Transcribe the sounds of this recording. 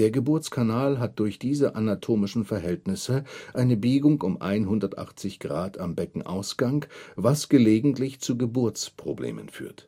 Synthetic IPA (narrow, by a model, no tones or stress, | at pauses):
d̥eːɐɡəbʊɐt͡skʰanaːlɦat̚d̥ʊɐçd̥iːzəʔanatʰoːmɪʃn̩fɛɐɦɛltnɪsəʔaɪnəbiːɡʊŋʊmʔa̰ɪnɦʊndɐtʔa̰χt͡sɪçɡ̥ʁaːtʰambɛkŋ̩ʔa̰ʊsɡ̥aŋvasɡ̥əleːɡŋ̩tlɪçt͡suːɡəbʊɐt͡spʁ̥oblḛːmə̰nfy̰ːɐt